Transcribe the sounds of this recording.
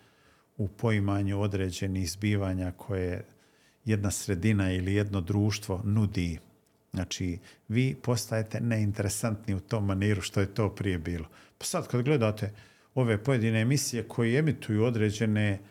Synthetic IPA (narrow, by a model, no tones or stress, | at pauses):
upʰo̞imaːɲuo̞d̪ɾe̞ːd͡ʑe̞niːxzbiːʋaːɲakʰo̞je | je̞d̪nasɾe̞d̪inailije̞d̪no̞d̪ɾuːʃt̪ʋo̞nud̪iː | znaːt͡ʃiːʋiːpo̞st̪ajet̪e̞neint̪e̞ɾesant̪niut̪o̞ːmːaniːɾuʃt̪ojet̪o̞ːpɾije̞biːlo̞pḁsad̪kad̪ɡle̞d̪aːt̪e̞ | o̞ʋe̞po̞je̞d̪iːne̞ːmisije̞kʰo̞jie̞mit̪ujuːo̞d̪ɾeːd͡ʑe̞ne